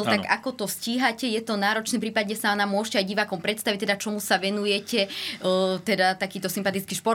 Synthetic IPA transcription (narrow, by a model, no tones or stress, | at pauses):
lt̪aɡakɔt̪ɔsciːɦacɛjɛt̪ɔnaːɾɔt͡ʃniːmpɾiːpadɲɛsanamʊɔʃcɛajɟiʋakɔmpɾɛt̪st̪aʋic̚t̪ɛd̪at͡ʃɔmusaʋɛnujɛcɛ | t̪ɛd̪at̪akiːt̪ɔsimpat̪it͡skiʃpɔɾ